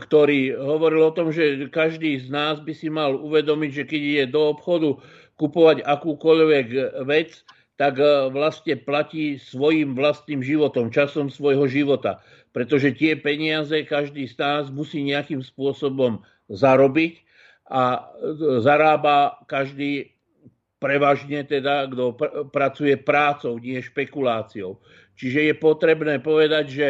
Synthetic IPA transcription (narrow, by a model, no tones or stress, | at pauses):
kt̪ɔɾiːɦɔʋɔɾilɔt̪ɔmʒɛkaʒd̪iːznaːzbisimaluʋɛd̪ɔmiɟʒɛkɛɟiɟɛd̪ɔɔpxɔd̪u | kupɔʋaɟakuːkɔʎʋɛɡʋɛt͡s | t̪aɡʋlast̪ɲɛplaciːsʋɔjimʋlast̪niːmʒiʋɔt̪ɔmt͡ʃasɔmsʋɔjɦɔʒiʋɔt̪a̰ | pɾɛt̪ɔʒɛt̪ɪɛpɛɲɪazɛkaʒd̪iːznaːzmusiːɲɛakiːmspʊɔsɔbɔm | zaɾɔbic | ʔa | zaɾaːbakaʒd̪iː | pɾɛʋaːʒɲɛt̪ɛd̪aɡd̪ɔpɾat͡sujɛpɾaːt͡sɔʊɲɪɛʃpɛkulaːt͡siɔʊ | t͡ʃiʒɛjɛpɔt̪ɾɛbnɛːpɔʋɛd̪aɟʒɛ